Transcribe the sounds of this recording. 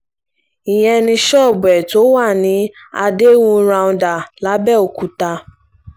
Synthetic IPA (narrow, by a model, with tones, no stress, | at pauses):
i˨j̃ɛ̃˧nĩ˧ʃɔ˦˨bɛ˨to˨˦wa˦˨nĩ˨˦ | a̰˧de˦wũ˧ɾã˧ũ˧da˨la˨˦bɛ˦˨o˨ku˨ta˧